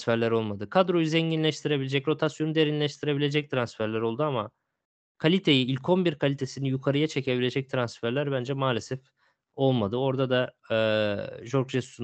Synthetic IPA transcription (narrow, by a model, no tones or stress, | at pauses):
fæɾlʲæɾo̞lˠmad̪ɯkʰad̪ɾo̞juzeɲɟinlʲɛʃt̪ʰiɾe̞bilʲed͡ʒɛcɾo̞t̪ʰasjo̞nud̪e̞ɾinlʲɛʃt̪ʰiɾe̞bilʲe̞d͡ʒɛc̚t̪ʰɾansfæɾlʲæɾo̞lˠd̪uama | kʰalʲit̪ʰe̞jiilʲkʰo̞nbiɾkʰalʲit̪ʰe̞sinijukʰaɾɯjat͡ʃʰe̞ce̞bilʲe̞d͡ʒɛc̚t̪ʰɾansfæɾlʲæɾbænd͡ʒɛmaːlʲe̞sɛf | o̞lˠmad̪ɯo̞ɾd̪ad̪a | ʒo̞ɾkʒesysun